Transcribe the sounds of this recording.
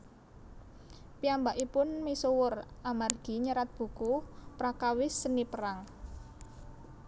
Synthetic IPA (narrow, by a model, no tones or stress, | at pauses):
piambaʔipʊnmisowʊramarɡ̥i̤ɲəɾat̪̚b̥ṳkupɾakawɪsːənipəɾaŋ